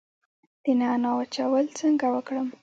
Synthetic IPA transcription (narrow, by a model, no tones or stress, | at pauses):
d̪̥ənanɑwat͡ʃawəlt͡səŋɡawəkɽəm